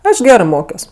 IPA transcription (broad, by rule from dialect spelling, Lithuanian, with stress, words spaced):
ˈɐʃ ˈɡʲæːrɜ ˈmoːkʲoːs